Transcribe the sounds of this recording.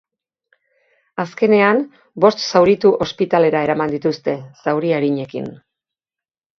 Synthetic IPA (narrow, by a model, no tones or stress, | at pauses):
aske̞ne̞am | bo̞st̪sawɾit̪uʔo̞spit̪ale̞ɾae̞ɾamand̪it̪ust̪e̞sawɾiaɾiɲe̞kḭn